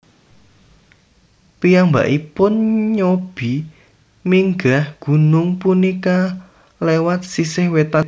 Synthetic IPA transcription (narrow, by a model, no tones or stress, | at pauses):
pijaŋba̰ʔipʊnɲob̥i | miŋɡahɡ̥ṳnʊŋpunika | lewat̪̚sisɪhwet̪a